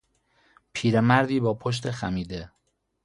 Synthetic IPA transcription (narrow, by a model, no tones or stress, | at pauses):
pʰiːɾemæɾd̪iːbɒːpʰoʃ̬t̪ʰe̞xæmiːd̪e